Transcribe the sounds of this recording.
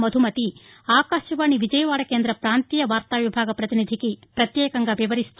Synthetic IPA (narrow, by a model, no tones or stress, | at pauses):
mɐd̪ʱumɐt̪i | aːkaːʃjɐʋaːɳiʋid͡ʒɐjɐʋaːɽɐkeːnd̪ɾɐpɾaːnt̪ijɐʋaːɾt̪aːʋibʱaːɡɐpɾɐt̪inid̪ʱikipɾɐt̪jɛːkɐŋɡɐʋɛʋɐɾist̪